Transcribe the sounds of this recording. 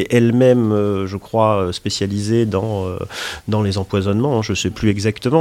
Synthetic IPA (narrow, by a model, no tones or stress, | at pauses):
ɛʔɛlmɛmøʒəkχwaøspesjalized̪ɑ̃ø̰d̪ɑ̃lezɑ̃pwazɔnmɑ̃ɛ̃ʒəsɛplyɛɡzakt̪əmɑ̃